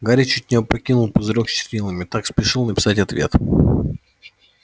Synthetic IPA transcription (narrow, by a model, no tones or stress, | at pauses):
ɡaɾʲit͡ɕutʲnʲipɐkʲinʊlˠpəzɨɾoksʲt͡ɕɪ̥ɾʲilˠəmʲɪt̪akspʲɪʂɨlˠnəpʲɪ̥satʲɐt̪vʲe̞̰t̪